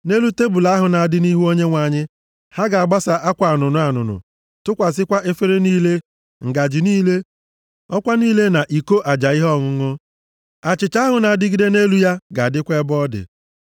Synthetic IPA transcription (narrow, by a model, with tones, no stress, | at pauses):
ne˦lu˦te˦bu˨la˦ɦʊ˨na˨a˨dɪ˦ni˦ɦu˦o˦ɲe˦ŋʷa˨ɲɪ˦ | ha˦ɡa˨a˨ɡ͡ba˦sa˨ʔa˦kʷa˨nʊ˨nʊ˨a˨nʊ̰˨nʊ̰˨ | tʊ˦kʷa˨sɪ˦kʷa˦ʔe˦fe˦ɾe˦niː˦le˦ | ŋ̩˨ɡa˨d͡ʒɪ˨niː˦le˦ | ɔ˦kʷa˦niː˦le˦na˨ʔi˨ko˦ʔa˨d͡ʒa˨ɪ˦ɦɔ˦˨ŋʊ˨ŋʊ˦ | a˨t͡ʃɪ˨t͡ʃa˦ɦʊ˨na˨a˨dɪ˦ɡi˦de˦ne˦lu˦ja˦ɡa˨dɪ˦kʷe˦bɔ˦dɪ̰˨